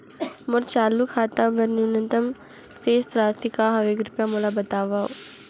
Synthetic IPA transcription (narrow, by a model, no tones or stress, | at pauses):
mʊɾt͡ʃaːlːukʰaːt̪ãbɐɾnunənt̪əm | seːsɾaːt̪ikaɦɐʋeːkɾɪpjamoːlabɐt̪aːʋao